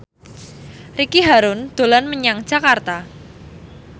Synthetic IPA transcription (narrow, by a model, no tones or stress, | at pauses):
rikiɦaɾʊnd̪̥o̤lanməɲaŋ̥ʒ̥a̤kart̪a